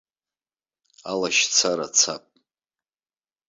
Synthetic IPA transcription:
alaʃt͡sʰaɾat͡sʰapʼ

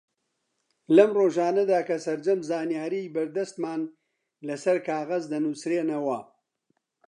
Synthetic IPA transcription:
lɐmroːʒaːnɐd̪aːkɐsɐɾd͡ʒɐmzaːnijaːɾibɐɾd̪ɐst̪maːn | lɐsɐɾkʰaːɣɐzd̪ɐnusɾeːnɐwɐ

